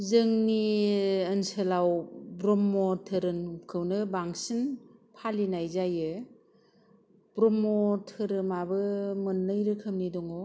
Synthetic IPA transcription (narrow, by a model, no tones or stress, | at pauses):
zɯŋniənsɯlawbɾɔmːɔtʰɯɾɯnkʰɯwnɯbaŋsinpʰalinajzajɯ | b̥ɾɔmːɔtʰɯɾɯmabɯmɯnːɯjɾɯkʰɯmnidɔŋɔ